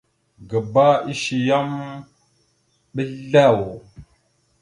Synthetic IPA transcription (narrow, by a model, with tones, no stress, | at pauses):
ɡə˨ba˦i˦ʃi˨ja˦m | ɓə˦ɮa˦˨wo˨